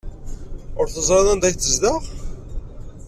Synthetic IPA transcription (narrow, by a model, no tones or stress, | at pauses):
ʊɾθəzˤɾˤɑðˤænd̪æçθəzd̪aʁ